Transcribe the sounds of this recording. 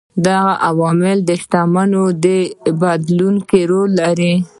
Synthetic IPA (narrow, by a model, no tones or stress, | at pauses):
d̪aɣaʔawɑmɪld̪əʃʈ̪amanod̪əbad̪lunkeɾolːaɾi